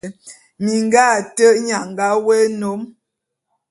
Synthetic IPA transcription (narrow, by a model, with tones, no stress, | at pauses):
mi˨ŋɡa˦˨tə˦ʔɲa˨ŋɡa˨˦we˦no˨˦m